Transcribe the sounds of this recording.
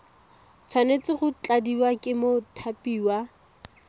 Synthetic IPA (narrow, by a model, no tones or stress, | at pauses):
t͡sʰwanet͡sɪχʊt͡ɬʼadiwakʼɪmotʰapʼiːwa